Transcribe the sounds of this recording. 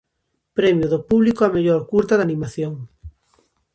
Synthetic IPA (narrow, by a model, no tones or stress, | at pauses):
pɾɛmjʊðopuβlikoameʎoɾkuɾt̪ɐðanĩmaθjoŋ